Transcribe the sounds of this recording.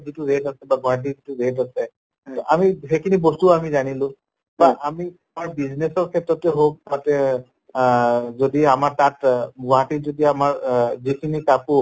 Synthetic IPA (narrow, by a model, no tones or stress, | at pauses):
zituɹetasɛbaɡʱɔɦat̬izituɹetasɛ | tɔʔamiɦejkʰinibɔstuamizanilʊ̃ | baʔami | maɹbiznesɔɹkʰɛtɹɔtɛɦob̚atɛ | zodiamaɹtatɡɔɦatizodiamaɹzikʰinikapu